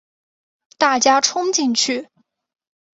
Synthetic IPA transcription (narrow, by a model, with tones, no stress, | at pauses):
t̪a˥˩t͡ɕja˥ʈ͡ʂʰʊ˥ŋt͡ɕi˥˧nt͡ɕʰy˥˩